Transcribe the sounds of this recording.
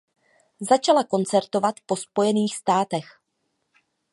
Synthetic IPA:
zat͡ʃalako̞nt͡sɛɾt̪o̞vat̪po̞spo̞jɛniːxst̪aːt̪ɛx

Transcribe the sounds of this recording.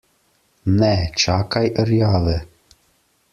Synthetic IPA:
nɛt͡ʃakajʔəɾjaːðə

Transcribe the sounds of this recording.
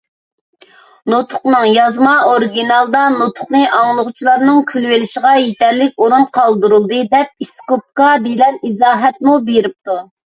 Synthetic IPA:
not̪ʰʊ̥qnɨŋjɑzmɑoɾɡʲinɑlˠd̪ɑnot̪ʰʊ̥χnɨʔɑŋlˠəʁʊt͡ʃʰilˠɑɾnɨŋkʲʰylwelɪʃəʁɑjet̪ʰɛɾlɪk̚ʲoɾunqʰɑlˠd̪uɾulˠd̪ɨd̪ɛp̚iskop̚kɑbelɛnizɑːɦɛt̪̚mubeɾɪp̚t̪u

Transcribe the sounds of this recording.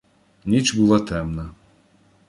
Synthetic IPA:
nʲit͡ʃbulˠat̪ɛmnɐ

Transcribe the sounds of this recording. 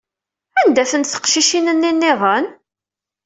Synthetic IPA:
ænd̪æθənt̪θə̥qʃiʃinənːinːɪʁˤən

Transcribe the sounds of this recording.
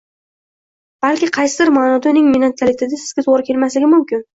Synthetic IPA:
b̥alkʲɪqʰɑjsɪd̪ɪɾmaːnɒd̪anɪŋminat̪ʰːalɪt̪ʰɪd̪asɪzɡʲat̪ʰoʁɾɪkʲʰe̞lmaslɪɡʲɪmʊmkʲɪn

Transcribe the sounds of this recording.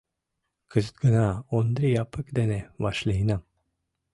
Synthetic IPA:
kʰəzət̪̚ɡənaond̪ɾijapəkd̪eneʋaɕləɦina

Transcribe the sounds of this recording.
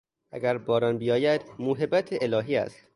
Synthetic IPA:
ʔæ̰ɡʲæɾbɒːɾɒnbijɒːjæd̪muːɦebæt̪ʰeʔelɒːɦiːæ̰st̪

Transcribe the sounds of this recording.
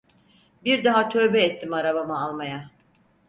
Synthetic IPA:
biɾd̪aɦat̪ʰø̞ːbɛɛt̪ʰːimaɾabamɯalˠmaja

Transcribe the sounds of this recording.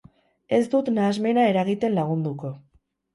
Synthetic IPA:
e̞sd̪ut̪naːzme̞nae̞ɾaɣit̪e̞nlaɣ̞und̪uko̞

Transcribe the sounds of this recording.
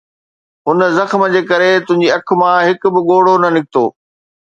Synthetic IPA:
ɦʊnzɐxm̆d͡ʑeːkɐɾet̪ʊ̃ɦɪ̃ɲd͡ʑiɐk̆ʰmãɦɪk̆bɪɠoːɽonɐnɪk̚ʰɪt̪o̰ː

